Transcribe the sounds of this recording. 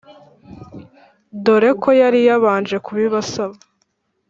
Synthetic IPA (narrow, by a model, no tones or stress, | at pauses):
do̞ɾe̞kʰo̞jaɾijaβaːnd͡ʒe̞kuβiβasaβa